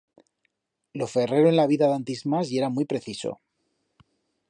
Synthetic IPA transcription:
lo̞fe̞re̞ɾoenlaβ̞iðaðant̪izmasie̞ɾamujpɾe̞θiso̞̰

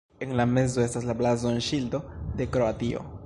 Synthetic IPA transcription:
e̞nlame̞zo̞e̞staslablazonʃildo̞de̞kɾo̞atio̞̰

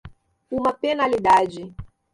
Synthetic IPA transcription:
umɐpenalid̪ad͡ʒi

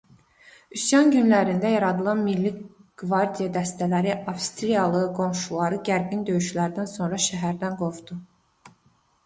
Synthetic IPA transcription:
ysjɑnɟynlæɾind̪æjɑɾɑd̪ɯlˠɑnmilːiɡ̥vɑɾd̪ijɑd̪æst̪ælæɾiʔɑvst̪ɾijɑlˠɯɡo̞mʃulˠɑɾɯɟæɾɡind̪ø̞jyʃlæɾd̪ænso̞nɾɑʃæɦæɾd̪ænɡo̞vd̪̥u

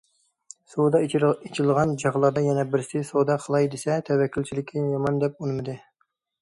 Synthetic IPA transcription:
sod̪ɑit͡ʃʰilˠʁɑnd͡ʒɑʁlˠɑɾd̪ɑjɛnɛbɪɾsɪsod̪ɑqʰəlˠɑjd̪esɛt̪ʰɛwɛkʲʰːylʲt͡ʃʰilɪkʲʰɪjɑmɑnd̪ɛp̚unɨmɨd̪ɨ

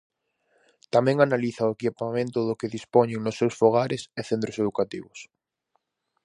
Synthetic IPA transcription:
t̪amẽŋanaliθaoekipamẽnt̪ʊðʊkeðispɔɲeŋnʊsːewsfoɣ̞aɾɪseθent̪ɾoseðukat̪iβʊs

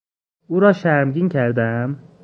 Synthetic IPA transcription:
uːɾɒːʃæɾmɟiːncʰæɾd̪eæm

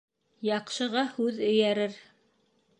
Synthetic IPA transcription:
jɑqʃɤ̆ʁɑhʉðɵ̆jæɾɘɾ

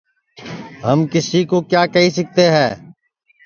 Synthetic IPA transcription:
ɦəmkɪsiːkoːkjaːkəɦiːsək̚t̪eːɦɛː

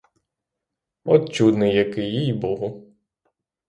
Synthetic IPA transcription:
ɔt̪̚t͡ʃud̪nɪjɐkɪjijbuɦˠɔ

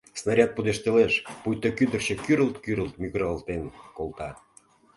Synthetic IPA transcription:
snɑɾʲɑt̪̚pud̪eʃt̪eleʃpujt̪okyd̪ə̆rt͡ɕĕkyɾəlt̪kyɾəlt̪myɣɾɑlt̪enkolˠt̪ɑ

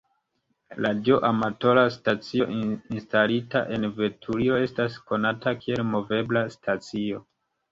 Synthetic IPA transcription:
lad͡ʒoʔamato̞ɾastat͡sioʔinstalita̰ʔe̞nve̞tʰuɾio̞e̞stasko̞natakʰie̞lmo̞ve̞blastʰat͡sio̞

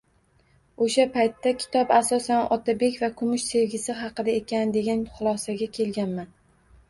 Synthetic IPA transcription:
oʃapajt̪ːakʲʰɪ̥t̪ʰɒpasɒsanʔɒt̪ʰabe̞kʲvakʰʊmʊʃse̞vɡʲɪsɪɦɑqɨd̪aekʲand̪e̞ɡʲanχʊlˠɒsaɡʲakʲʰe̞lɡʲanman

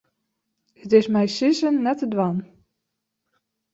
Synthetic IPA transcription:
ətɪsmɛjsizənːɛtədwan

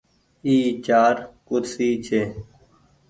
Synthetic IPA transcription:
iːt͡ʃaːɾkʊd̪siːt͡ʃʰeː

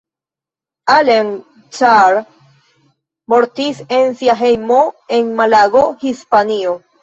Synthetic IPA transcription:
alen | t͡ʃaɾ | moɾtise̞nsiaɦe̞jmo̞e̞nmalaɡohispanio

